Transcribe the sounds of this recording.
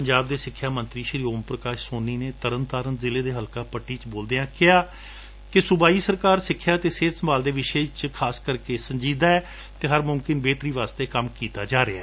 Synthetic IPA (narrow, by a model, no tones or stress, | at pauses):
pəɲd͡ʒaːb̚d̪eːsɪkʰːjaːmənt̪ɾiːʃɾiːoːmpɾəkaːʃsoːnːiːneːt̪əɾənt̪aːɾənzɪleːd̪eːɦəlkaːpəʈːiːt͡ʃboːld̪eːãːkɪɦaː | kɪsʊbaːiːsəɾkaːɾsɪkʰːjaːt̪eːseːsəmbaːld̪eːʋɪʃeːt͡ʃkʰaːskəɾkeːsəɲd͡ʒiːd̪aːɛː | t̪eːɦəɾmʊmkɪnbeːt̪ɾiːʋaːst̪eːkəmkiːt̪aːd͡ʒaːɾeaɛː